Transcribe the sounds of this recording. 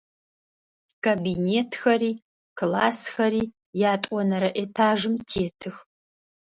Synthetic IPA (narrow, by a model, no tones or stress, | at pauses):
kʰaːbineːtʰxɐɾiː | kʰlaːsxɐɾiː | jaːtʼʷɔnɐɾɐʔetʰaːʒɨmtʰeːtʰɨx